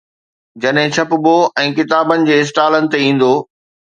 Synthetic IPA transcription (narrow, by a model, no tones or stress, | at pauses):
d͡ʑɐɗɦɪ̃t͡ɕʰɐpʊboɛ̃ːkɪt̪aːbənɪ̆d͡ʑeːɪs̬ʈaːlənɪ̆t̪eĩːn̆d̪oː